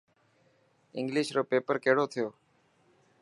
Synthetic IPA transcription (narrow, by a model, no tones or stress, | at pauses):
ɪ̃ŋɡlɪːʃɾoːpeːpəɾkeːɽoːt̪ʰɪjoː